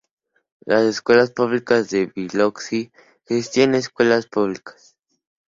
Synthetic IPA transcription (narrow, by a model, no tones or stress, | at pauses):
laseskwe̞laspuβlikazðeβiloksi | xest̪jeneskwe̞laspuβlikḁs